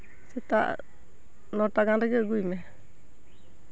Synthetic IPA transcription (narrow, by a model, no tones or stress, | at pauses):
sɛt̪a̰ʔ | nɔʈaɡaŋɾɛɡɛɡujmɛ